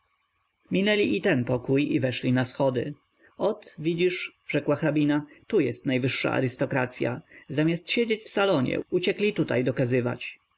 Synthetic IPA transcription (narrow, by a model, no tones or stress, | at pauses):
mʲinɛlʲiit̪ɛnpɔkujivɛʂlʲinasxɔd̪ɘ̰ | ɔt̪vʲid͡ʑiʂʐ̥ɛkwaxɾabʲinat̪ujɛst̪najvɘʂːa̰ʔa̰ɾɘst̪ɔkɾat̪sʲja̰zamʲjast̪ɕed͡ʑet͡ɕfsalɔɲɛ̰ut͡ɕɛklʲit̪ut̪ajd̪ɔkazɘva̰t͡ɕ